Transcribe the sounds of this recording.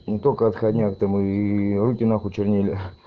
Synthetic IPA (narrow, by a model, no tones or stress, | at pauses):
nʲɪt̪okəɐt̪xɐdʲnʲakt̪amɨːrukʲɪnaxʊt͡ɕɪrnʲilʲɪ